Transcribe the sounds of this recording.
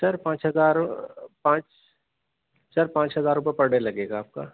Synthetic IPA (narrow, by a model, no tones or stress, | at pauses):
sɐɾpãːt͡ʃɦɐzaːɾpãːt͡ʃ | sɐɾpãːt͡ʃɦɐzaːɾʊpəpɐɽɽelɐɡeːɡaːp̚ka̰ː